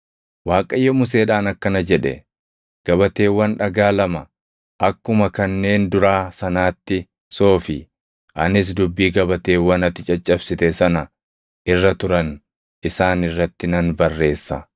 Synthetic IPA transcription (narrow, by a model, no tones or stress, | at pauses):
waːkʼɐjːɔmʊs̬e̞ːᶑaːnɐkːɐnɐd͡ʒɛᶑɛ̰ | ɡ̥ɐbɐt̪e̞ːwːɐnᶑɐɡaːlɐmɐ | ʔɐkːʊmɐkɐnːe̞ːnd̪ʊɾaːsɐnaːt̪ːɪ | so̞ːfɪ | ʔɐnɪs̬d̪ʊbːiːɡɐbɐt̪e̞ːwːɐnɐt̪ːɪt͡ʃʼɐt͡ʃʼːɐbsɪt̪ɛsɐnɐ | ʔɪrːɐt̪ʊɾɐn | ʔɪsaːnɪrːɐt̪ːɪnɐnbɐrːe̞ːsːɐ̰